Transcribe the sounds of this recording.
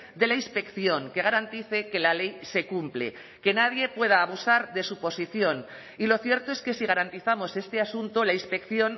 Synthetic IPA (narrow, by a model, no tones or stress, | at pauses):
d̪e̞lainspe̞kθjo̞ŋke̞ɣ̞aɾant̪iθe̞ke̞lale̞jse̞kumplḛ | ke̞naðje̞pwe̞ð̞aːβ̞usaɾðe̞supo̞siθjo̞n | ilo̞θje̞ɾt̪oe̞ske̞siɣ̞aɾant̪iθamo̞se̞st̪e̞asunt̪olainspe̞kθjo̞n